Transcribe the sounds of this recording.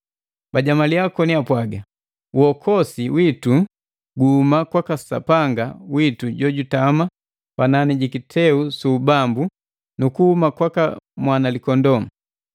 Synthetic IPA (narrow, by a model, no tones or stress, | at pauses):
baɟamaliakɔniapwaɡa | uhɔkʰɔsiwitu | ɡuhumakwakasa̰paŋɡawituɟɔɟutama | pananiɟikitʰɛusuːbambu | nukuhumakwakamwanalikɔndɔm̩